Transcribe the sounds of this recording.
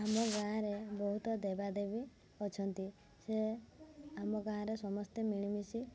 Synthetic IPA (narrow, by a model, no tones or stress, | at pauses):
amɔɡaãɾebɔɦut̪ɔd̪ebad̪ebi | ɔt͡ʃʰɔnt̪i | se | amɔɡãɦãɾesɔmɔst̪emiɭ̃imisi